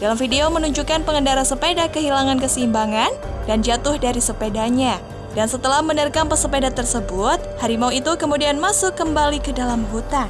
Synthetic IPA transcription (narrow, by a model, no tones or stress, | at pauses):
d̥alamfideomənuɲd͡ʒukanpəŋəndaɾasəpedakəɦilaŋankəsimbaŋandand͡ʒat̪ʊhdaɾisəpedaɲa | dansət̪əlahmənirkanpəsəpedat̪ərsəbʊt̪̚haɾimawit̪ukəmudianmasʊkːəmbalikədalamɦut̪a